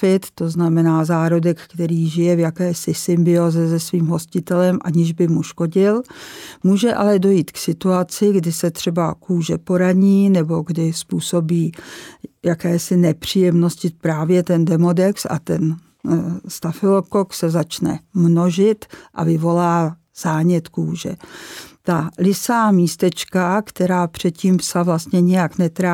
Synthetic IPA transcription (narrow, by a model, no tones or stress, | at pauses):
ɪt̪ːo̞znamɛnaːzaːɾodɛkkt̪ɛɾiːʒɪjɛvjakɛːsɪsɪmbɪoːzɛzɛsviːmɦo̞scɪt̪ɛlɛmʔa̰ɲɪʒbɪmuʃko̞ɟɪlmuːʒɛʔa̰lɛdo̞jiːt̪ksɪt̪uat͡sɪɡdɪsɛt̪r̥ɛbakuːʒɛpo̞ɾaɲiːnɛbo̞ɡdɪspuːso̞biː | jakɛːsɪnɛpr̝̥ijɛmnoscɪpɾaːvjɛt̪ɛndɛmo̞dɛksa̰t̪ɛn | st̪afɪlokoksɛzat͡ʃnɛ̰mnoʒɪt̪ʔa̰vɪvo̞laː | z̥aːɲɛt̪kuːʒɛ̰t̪alɪsaːmiːst̪ɛt͡ʃkakt̪ɛɾaːpr̝̥ɛt̪̚ciːmpsavlast̪ɲɛɲɛjaknɛt̪ɾa